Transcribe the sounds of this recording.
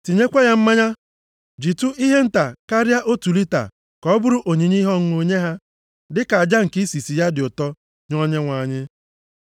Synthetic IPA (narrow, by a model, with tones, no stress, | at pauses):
ti˨ɲe˦kʷa˦ɲa˦m̩˦ma˦ɲa˦ | d͡ʒi˨tu˦ʔi˦ɦe˦n̩˦ta˨ka˦ɾja˦ʔo˦tu˨li˦ta̰˨ | kɔ˨˦bʊ˦ɾʊ˦ʔo˨ɲi˨ɲi˦ɦɔ˦ŋ˦o˨ɲe˦ɦa˦ | dɪ˦ka˨a˨d͡ʒa˦ŋ̩˨ki˦si˨si˨ja˦dɪ˨ʊ˨tɔ˦ | ɲɔ˦ɲe˦ŋʷa˨ɲɪ˦